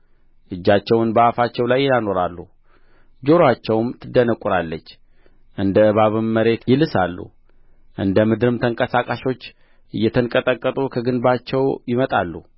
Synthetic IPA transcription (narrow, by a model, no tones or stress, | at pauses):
ʔɨd͡ʒːat͡ʃːɛwnbəʔafat͡ʃːɛwlajjano̞ɾalːu | d͡ʒo̞ɾoat͡ʃːɛwmt̪ʰɨd̪ənəkʼːuɾalːət͡ʃː | ʔɨnd̪əɨβaβɨmːəɾe̞t̪jɪlɨsalːṵ | ʔɨnd̪əmɨd̪ɨɾɨmt̪ʰəŋkʼəsakʼaʃo̞t͡ʃː | ʔɨjːɛt̪ʰəŋkʼət̪ʼəkʼːət̪ʼukʰəɡɨnbat͡ʃːɛwjɪmət̪ʼalːu